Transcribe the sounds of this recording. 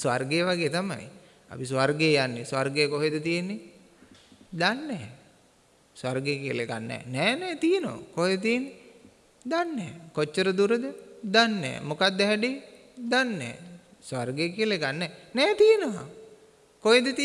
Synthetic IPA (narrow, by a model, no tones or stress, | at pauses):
sʋarɡejəʋaɡeːt̪ama̰j | a̰pis̬ʋarɡeəjanːesʋarɡejəkoɦed̪ət̪ijenːe | d̪anːɛː | sarɡejkiəlekanːɛ̰ːnɛːnɛːt̪ijenoa̰koɦed̪t̪ijenːe | d̪anːɛːkot͡ʃːəɾəd̪uɾəd̪əd̪anːɛ̰ːmokad̪ːəɦɛɖe | d̪anːɛ̰ː | sʋarɡejəkiəlekanːɛːnɛːt̪ijenəʋa̰ | koɦed̪ət̪i